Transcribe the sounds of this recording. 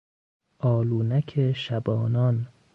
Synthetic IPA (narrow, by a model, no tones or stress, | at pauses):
ʔɒːluːnækʰeʃæbɒːnɒn